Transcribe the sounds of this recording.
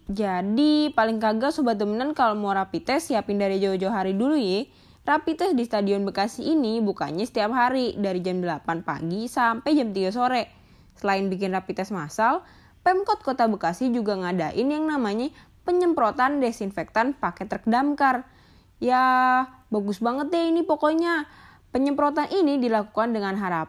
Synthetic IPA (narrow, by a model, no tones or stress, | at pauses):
d͡ʒadipalɪŋkaɡasubat̪̚d̪əmənankalomawɾapit̪ɛsjapindaɾjad͡ʒaod͡ʒawɦaɾidulujɛ | rapit̪ɛsdist̪adiɔnbəkasiːnibuka̰ɲasə̥t̪iap̚ɦaɾidaɾid͡ʒamdəlapanpa̰ɡisampɛjd͡ʒamt̪iɡasoɾɛ | səlaɪnbik̬ɪnrapit̪ɛsmasal | pɛmkɔt̪̚kot̪abəkasid͡ʒuɡaŋada̰ʔɪnjaŋnamaɲa | pəɲəmpɾot̪andɛsinfɛk̚t̪anpakɛt̪ərkədamkar | jabaɡʊsbaŋət̪̚jainipokoɲa | pəɲəmpɾot̪anʔinidilaku̥kandəŋanɦaɾap